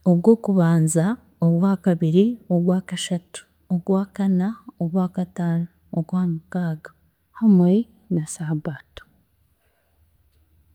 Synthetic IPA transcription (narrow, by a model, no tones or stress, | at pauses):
oβwo̞ːkuβaːnza | oβwaːkaβiɾioβwaːkaʃatu̥ | oɡwaːkanaoβwaːkataːna | obwaːmukaːɡa | hamwe | nasaːβaːto̥